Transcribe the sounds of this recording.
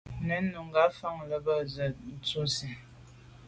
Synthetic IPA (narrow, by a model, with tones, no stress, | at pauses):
nə˨˦nu˨ŋ̩˨ɡa˨˦fa˦˨ŋlə˨bə˦˨zə˨n̩˨t͡su˦si˨